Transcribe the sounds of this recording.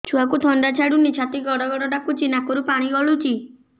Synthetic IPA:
t͡ʃʰuakut̪ʰɔɳɖat͡ʃʰaɽunit͡ʃʰat̪iɡɔɽɔɡɔɽɔɖakut͡ʃinakɔɾupaɽ̃iɡɔɭut͡ʃi

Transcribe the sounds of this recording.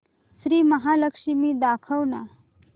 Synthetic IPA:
sɾiːməɦaləkʂimiːd̪akʰəwna̰

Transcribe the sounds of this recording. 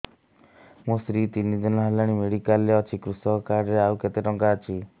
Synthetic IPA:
mũsɾit̪inid͡ʒ̪ɔnɔɦelaɽ̃imeɽikaleɔt͡ʃʰikɾusɔɔkaɖɾeawket̪eʈɔŋkaːt͡ʃʰi

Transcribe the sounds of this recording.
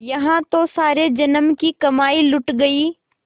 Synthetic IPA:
jɐɦãt̪osaːɾed͡ʒɐnəmkikɐmaːilʊʈɡɐiː

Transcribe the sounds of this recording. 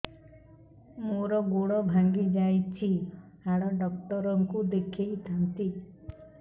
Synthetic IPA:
moɾɔɡoɽɔbʱaŋɡid͡ʒajt͡ʃʰi | aɽɔɖɔk̚ʈɔɾɔŋkud̪ekʰejt̪ʰant̪i

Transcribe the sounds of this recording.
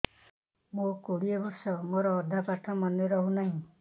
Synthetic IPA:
mokoɽijebɔɾsɔmoɾɔːd̪ʱapaʈʰɔmɔneɾɔɦunaɦĩ

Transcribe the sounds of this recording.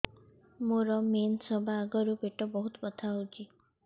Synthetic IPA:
moɾɔmensɔbʱaːɡɔɾupeʈɔbɔɦut̪ɔ̥pɔt̪ʰaot͡ʃʰi

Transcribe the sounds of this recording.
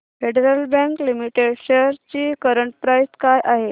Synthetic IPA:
feɽeɾəlbɛ̃ŋklimiʈeɖɕeɾt͡ɕiːkəɾəɳʈ̚pɾajskajʔaɦe

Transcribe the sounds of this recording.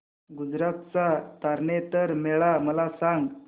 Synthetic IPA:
ɡud͡zɾat̪t͡sat̪aɾɳet̪əɾmeɭaməlasãŋɡ

